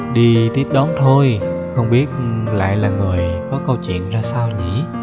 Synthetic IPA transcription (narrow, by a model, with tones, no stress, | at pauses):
ɗi˧t̪i˦˥əp̚ɗɔ˨˦nt̪ʰo˧jxə˧wŋ͡mɓi˦˥ət̚la̰ː˧˨jlaː˨˩ŋɨ˨˩əjkɔ˨˦kə˧wt͡ɕwḭ˧˨ənzaː˧saː˧wɲḭ˧˩˥